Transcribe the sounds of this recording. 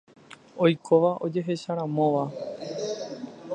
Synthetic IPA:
o̞jkʰoʋaʔo̞d͡ʒe̞ɦe̞ʃaɾ̃ãmõ̞ʋa

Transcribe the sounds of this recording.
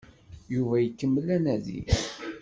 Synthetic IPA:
juvæjəkːəmːəlːænæðḭ

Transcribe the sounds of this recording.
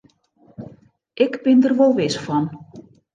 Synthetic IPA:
ʔɪkbɪndərʋolˠʋɪsfɔn

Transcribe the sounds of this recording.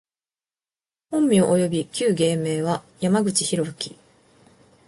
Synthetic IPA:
hõ̞mːʲio̞ʔojo̞bʲikʲɨːɡe̞ːme̞ːβa | jamaɡɯ̟t͡ɕiçiɾo̞ɯ̟kʲi̥

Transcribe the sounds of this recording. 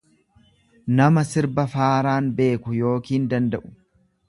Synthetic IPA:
nɐmɐsɪɾbɐfaːɾaːnbe̞ːkʊjo̞ːkiːnd̪ɐnd̪ɐʔʊ̥

